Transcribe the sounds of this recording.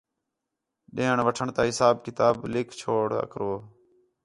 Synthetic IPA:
ɗẽːɳʋəʈʰəɳt̪aːɦɪsaːbkɪt̪aːblɪkʰt͡ʃʰoːɽə̰kɾoː

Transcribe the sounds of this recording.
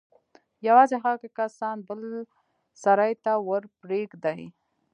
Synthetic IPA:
jawɑzexakekasɑnbəl | saɾajt̪awəɾpɾekd̪aj

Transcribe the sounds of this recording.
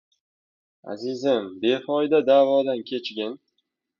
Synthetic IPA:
a̰zɪzɪmbe̞fɒjd̪ad̪aːvɒd̪ankʲʰe̞t͡ʃɡʲɪn

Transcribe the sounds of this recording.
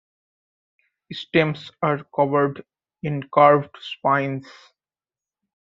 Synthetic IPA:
ɪsʈẽmsaɾkʌʋəɾɖ | ɪ̃nkaːɾʋɖspãɪ̃ns

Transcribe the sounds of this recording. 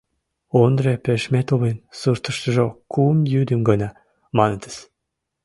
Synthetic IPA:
ond̪repeʃmet̪oβinsurt̪əʃt̪əʒokumjyd̪əmɡɤnɑ | mɑnət̪ə̥s

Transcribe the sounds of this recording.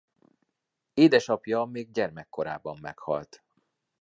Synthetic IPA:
eːd̪ɛʃɒpjɒmeːɡ̚ɟɛrmɛkːo̞ɾa̰ːbɒmːɛ̰khɒ̰lt̪

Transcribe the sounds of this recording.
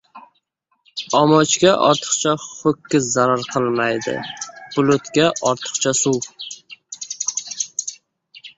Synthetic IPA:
ɒmɒt͡ʃkʲaʔɒɾt̪ʰɨ̥qt͡ʃʰaχokʲʰːɪzzaɾaɾqʰɨlˠmajd̪ɪ̰b̥ʊlot̪kʲaʔɒɾt̪ʰɨ̥qt͡ʃʰasuw

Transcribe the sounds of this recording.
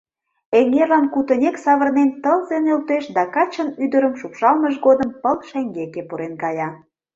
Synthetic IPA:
eŋerlɑnkut̪ə̆nʲeksɑβərnent̪əlzenølt̪eʃd̪ɑkɑt͡ɕənyd̪əɾəmʃukʃɑlməʃɡod̪əmpəlʃæŋɡekepuɾenkɑjɑ

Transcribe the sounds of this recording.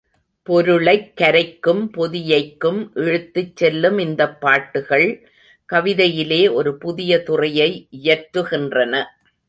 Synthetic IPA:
pɔɾɯɭɐɪkːɐɾɐɪkːɯmpɔðɪjɐɪkːɯmʔɛɻɯt̪ːɯt͡ʃsɛlːɯmɪnd̪ɐpːaːʈːɯɣɐɭ | kɐʋɪðɐjɪleːʔɔɾɯpʊðɪjɐt̪ʊrɐjɐɪʔɪjɐɾtɾɯɣɪndrɐnɐ

